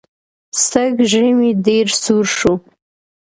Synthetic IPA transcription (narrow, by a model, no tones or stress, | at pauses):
st̪əɡʒəmiɖeɾsuɾʃu